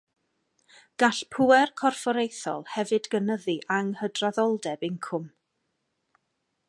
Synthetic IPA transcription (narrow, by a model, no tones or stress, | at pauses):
ɡ̥aɬpʰʊɛrkʰɔrfɔɾejθɔ̰lˠhɛvɨdɡənəðiʔaŋhədraðɔlˠdɛbɪŋkʰʊm